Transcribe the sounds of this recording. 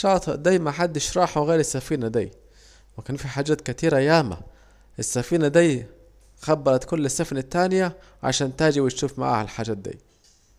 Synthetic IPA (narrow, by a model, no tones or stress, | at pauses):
ʃɑːt̪ˤɨʔd̪æjmaħad̪ːɪʃɾˤɑːħawɣeːɾɪsːafiːnæd̪ḭː | wɪkaːnfiħaːd͡ʒaːt̪kæt̪iːɾʔæjaːma̰ | ʔɪsːafiːnad̪iː | xɑbːɑɾˤɑt̪kʊlːɪsːafnɪt̪ːaːnja | ʕa̰ʃaːnt̪aːd͡ʒɪbwɪt̪ʃuːfma̰ʕa̰ʕalħaːd͡ʒaːt̪̚d̪ḭː